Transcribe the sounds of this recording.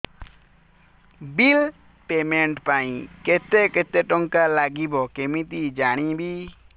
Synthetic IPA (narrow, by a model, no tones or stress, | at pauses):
bil | pemẽɳʈpaĩket̪eket̪eʈɔŋkalaɡibɔkemit̪id͡ʒaːɽ̃ĩbʱi